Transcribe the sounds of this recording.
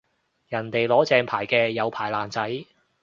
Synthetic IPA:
jɐ˨˩nt̪e˨jlɔː˨˥t͡sɛː˧ŋpʰaː˨˩jkɛː˧jɐ˨˧wpʰaː˨˩jlaː˨˩nt͡sɐ˨˥j

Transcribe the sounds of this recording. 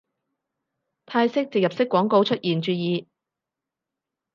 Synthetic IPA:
t̪ʰaː˧jsɪ˥k̚t͡sɪ˨k̚jɐ˨p̚sɪ˥kːwɔː˨˥ŋko˧wt͡ʃʰɵ˥t̚jiː˨˩nt͡ʃyː˨˧jiː˨˧

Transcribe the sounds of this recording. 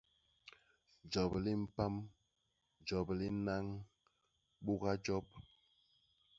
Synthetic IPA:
d͡ʒɔ˨bli˦m̩˦pa˦m | d͡ʒɔ˨bli˦na˦ŋ | ɓu˦ɣa˦d͡ʒɔ˦p̚

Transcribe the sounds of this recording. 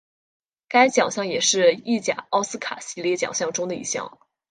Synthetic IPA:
ka˥ɪt͡ɕjɑ˨˩ŋɕjɑ˥˩ŋjɛ˨˩ʂɻ̩˥˧i˥˩t͡ɕja̰˨˩ɑ˥ʊsɹ̩˥kʰa̰˨˩ɕi˥˧ljɛ˥˩t͡ɕjɑ̰˨˩ŋɕjɑ˥˩ŋʈ͡ʂʊ˥ŋd̪ə˨ḭ˥˧ɕjɑ̰˥˩ŋ

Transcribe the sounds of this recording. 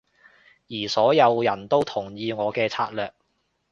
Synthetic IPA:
jiː˨˩sɔː˨˥jɐ˨˧wjɐ˨˩nt̪o˥wt̪ʰʊ˨˩ŋjiː˧ŋɔː˨˧kɛː˧t͡sʰaː˧˥t̚lœː˨k̚

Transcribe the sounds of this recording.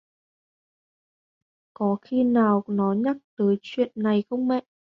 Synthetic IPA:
kɔ˨˦xi˧naː˨˩wnɔ˨˦ɲa˦˥k̚t̪əː˨˦jt͡ɕwḭ˧˨ənːa˨˩jxə˧wŋ͡mmɛ̰˧˨ʔ

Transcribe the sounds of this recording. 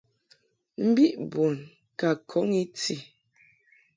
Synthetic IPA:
m̩˦bi˦ʔbo˨n | ka˨kʰɔ˨˦ŋi˦ti˦˨

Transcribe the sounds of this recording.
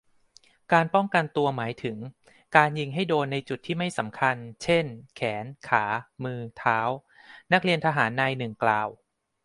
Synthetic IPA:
kaː˧npɔ˥˩ŋka˧nt̪u˧ɐmaː˩˦jt̪ʰɯ˩˦ŋ | kaː˧nji˧ŋɦa˥˩jdoː˧nːa˧jt͡ɕu˨˩t̪ʰːiː˥˩ma˥˩jsa˩˦mkʰa˧nt͡ɕʰe˥˩nkʰɛː˩˦nkʰaː˩˦mɯː˧t̪ʰaː˦˥w | na˦˥k̚ɾi˧ənt̪ʰaː˧ɦaː˩˦nːa˧jnɯ˨˩ŋklaː˨˩w

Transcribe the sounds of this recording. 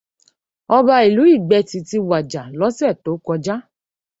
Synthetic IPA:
ɔ˧ba˧i˨lu˨˦i˦˨ɡ͡bɛ˧ti˨ti˧wa˨d͡ʒa˨lɔ˨˦sɛ˦˨to˨˦kɔ˧d͡ʒa˦

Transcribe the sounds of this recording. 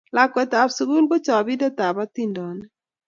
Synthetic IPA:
la˨kwɛ˨t̪a˨bsu˨ɡu˦lbo˦t͡ʃɔ˨bi˦dɔ˦t̪a˨ba˦t̪i˦ndɔ˨nɛ˦

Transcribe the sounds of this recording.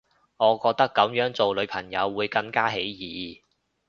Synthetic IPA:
ŋɔː˨˧kɔː˧k̚t̪ɐ˥kːɐ˨˥mjœː˨˥ŋt͡so˨wlɵ˨˧ɥpʰɐ˨˩ŋjɐ˨˧wːuː˨˧jkɐ˧ŋkaː˥ɦe˨˥jjiː˨˥

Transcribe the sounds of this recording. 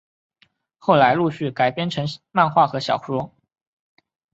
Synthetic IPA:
xo˥˩ʊla˧˥ɪlu˥˧ɕy˥˩ka˨˩ɪpjɛ˥nʈ͡ʂʰɤ˧˥ŋma˥˧nxwa˥˩xɤ˧˥ɕjɑ̰˨˩ʊʂɔ˥

